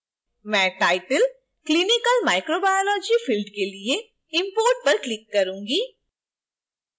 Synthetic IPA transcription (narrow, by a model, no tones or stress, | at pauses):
mɛ̃ːʈaːɪʈəl | klinɪkəlmaːɪkɾobaːjolɔːd͡ʒifɪlɖkelie | ɪ̃mpoːɾʈ̚pɐɾklɪkːɐɾũːŋɡiː